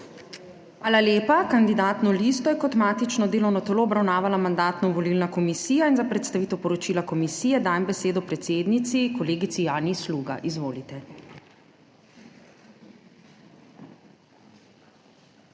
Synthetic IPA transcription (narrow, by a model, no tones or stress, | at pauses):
ʋaːlaljeːpakand̪id̪aːt̪nɔliːst̪ɔjɛkɔt̪maːt̪it͡ʃnɔd̪eːlɔwnɔt̪ɛloːbɾawnaːʋalamand̪aːt̪nɔʋɔlilnakɔmisiːjainzapɾɛt̪st̪aʋiːt̪ɛwpɔɾɔt͡ʃiːlakɔmisiːjɛd̪aːjmbɛseːd̪ɔpɾɛt̪seːd̪nit̪sikɔleːɡit̪sijaːnisluːɡa̰ʔizʋoːlit̪ɛ